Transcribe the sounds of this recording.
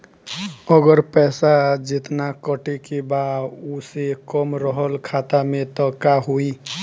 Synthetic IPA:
əɡəɾpɛːsad͡ʒɪt̪nakəʈekebausekəmɾəɦəlkʰat̪amẽt̪ɔkaɦoi

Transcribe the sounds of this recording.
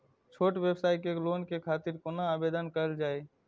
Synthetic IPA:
t͡ʃʰoːʈʋeːbsaːikekloːnkekʰaːt̪ɪɾkoːnaaːbeːd̪ənkəəld͡ʒaːeː

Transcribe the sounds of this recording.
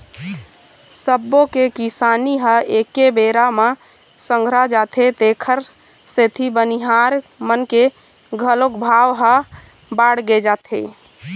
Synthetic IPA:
səbːokekisaniɦəekebeɾama | sə̃ŋɡʱɾad͡ʒat̪ʰet̪ekʰəɾ | set̪ʰibəniɦaɾmənke | ɡʱəlokbʱawɦə | baɽɡed͡ʒat̪ʰḛ

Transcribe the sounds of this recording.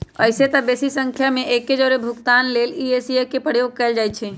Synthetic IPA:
ə̰ɪset̪əbeːsisə̃ŋkʰjamẽʔeːkːed͡ʒɔːɾebʱʊkt̪aːnleːliesiekepəjoːɡ̚kəɪld͡ʒaːɪt̪t͡ʃʰe

